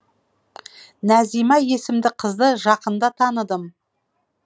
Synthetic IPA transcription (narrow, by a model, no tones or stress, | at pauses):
næzijmɑje̞sɪmd̪ɪqʰəzd̪əʒɑqənd̪ɑt̪ʰɑnəd̪əm